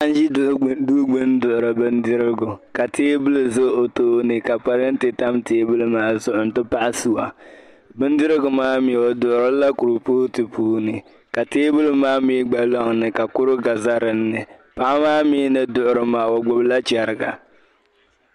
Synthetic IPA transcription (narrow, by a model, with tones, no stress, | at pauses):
a˦n˦ʒi˦du˦ɡ͡bɨ˦n˦dʊ˨ʔʊ˨ɾɨ˨bɨ˦ndɪ˦ɾɪ˦ɡʊ˨ka˨teː˦bɨ˦lɨ˨zo˦o˨toː˦nɨ˨ka˨pa˦ɾɪ˦n̩˦tɪ˨ta˦mteː˦bɨ˦lɨ˦maː˦zʊ˨ʔʊ˨n̩˦tɨ˦pa˦ʔa˦su˨wa˨ | bɨ˦n˦dɪ˦ɾɨ˦ɡʊ˨maː˦mi˨wɔ˨dʊ˨ʔʊ˨ɾɨ˦la˦ku˨ɾʊ˨poː˦tɨ˨pʰuː˦nɨ˨ | ka˨teː˦bu˦lɨ˦maː˦miː˦ɡ͡ba˨lɔ˦ŋnɨ˨ka˨kʊ˦ɾʊ˦ɡa˨za˦ɾɨ˨nːɨ˨pa˦ʔa˦maː˦miː˦nɨ˦dʊ˨ʔʊ˨ɾɨ˨maː˨˦wɔ˨ɡ͡bʊ˦bla˦t͡ʃɛ˨ɾɪ˨ɡa̰˨